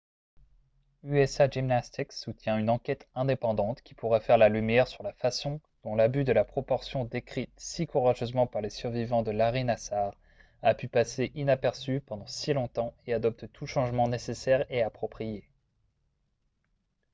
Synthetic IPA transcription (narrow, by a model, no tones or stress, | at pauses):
yɛsaʒimnast̪iksut̪jɛ̃ynɑ̃kʲɛt̪ɛ̃d̪epɑ̃d̪ɑ̃t̪kʲi̥puʁɛfɛʁlalymjɛʁsyʁlafasɔ̃d̪̥ɔ̃labyd̪əlapχɔpɔʁsjɔ̃d̪ekχit̪sikuʁaʒøzmɑ̃paʁlesyʁvivɑ̃d̪əlaʁinasaʁ | apypaseʔinapɛʁsypɑ̃d̪ɑ̃silɔ̃t̪ɑ̃ead̪ɔp̚t̪t̪ʰuʃɑ̃ʒmɑ̃nesesɛʁeapχɔpχije